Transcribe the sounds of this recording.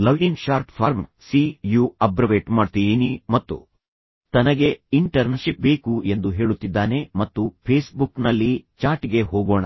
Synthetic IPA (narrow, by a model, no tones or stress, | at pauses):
lɐʋiŋɡʃaːɾʈpʰaːɾmsijuːɐbɾɐʋeːʈmaːɖt̪inimɐt̪ːṵ | t̪ɐnɐɡe̞iɳʈɐɾnɐʃip̚beːkue̞nd̪uɦe̞ːɭut̪ːid̪ːaːne̞mɐt̪ːupʰeːsbuknɐlːit͡ʃaːɾʈiɡe̞ɦɔːɡoːɳɐ̰